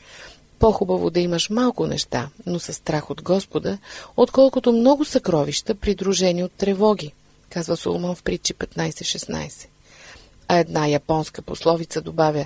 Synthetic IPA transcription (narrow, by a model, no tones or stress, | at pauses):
poxubəvo̰d̪ɐiməʃmalˠkʊnɛ̰ʃt̪anosɐst̪ɾaxod̪ɡɔspod̪əot̪kɔlˠkʊt̪omnɔɡʊsɐkɾɔviʃt̪əpɾid̪ɾuʒɛniot̪ːɾɛvɔɡ̟ʲi | kazvəso̰lˠmənfpɾit͡ʃipɛt̪najsɛʃɛsna̰jsɛ̥ | ɐɛd̪najɐpɔnskəposlˠɔvit̪səd̪obavʲə